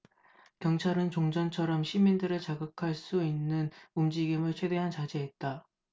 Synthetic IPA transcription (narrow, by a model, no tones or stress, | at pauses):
kjʌŋt͡ɕʰaɾɯnt͡ɕoŋd͡ʑʌnt͡ɕʰʌɾʌmɕʰimindɯɾɯɭt͡ɕaɡɯkʰaɭs͈uinːɯnumd͡ʑiɡimɯɭt͡ɕʰwe̞de̞ɦant͡ɕad͡ʑeɦet̚t͈a